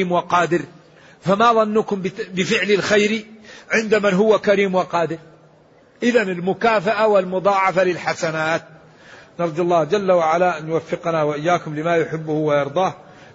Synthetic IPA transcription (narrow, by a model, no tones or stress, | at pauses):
iːmwɪqɑːd̪ɪɾ | famaðˤɑnːʊkʊmbbɪfɪʕlɪlxajɾiʕɪnd̪amanɦʊwːakaɾiːmwɪqɑːd̪ɪɾ | ʔɪðanɪlmʊkaːfaʔawɪlmʊd̪ˤɑːʕɑfalɪlħasanaːt̪̚ | nɑɾˤd̪ɑlˤːɑːhd͡ʒalːawaʕalaʔanjʊwafːɪqɑnawaʔɪjːaːkʊmlɪmajʊħɪbːʊhʊwajɑɾˤd̪ˤɑːh